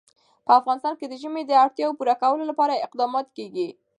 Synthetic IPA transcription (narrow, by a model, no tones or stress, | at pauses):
pəafɣɑnɪst̪ɑnked̪əʒəmed̪əaɽt̪jɑwopuɾakawəlolapɑɾaɪqd̪ɑmɑt̪keɡi